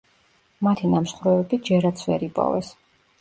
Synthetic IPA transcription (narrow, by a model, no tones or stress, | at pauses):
mat̪ʰinamʃχɾɛɛbid͡ʒɛɾat̪sʰvɛɾipʼɔ̰vɛs